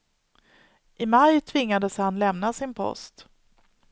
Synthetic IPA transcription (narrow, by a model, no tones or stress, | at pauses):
ʔɪmajt̪ʰvɪŋːad̪əshanlɛmnasɪnpʰɔ̰st̪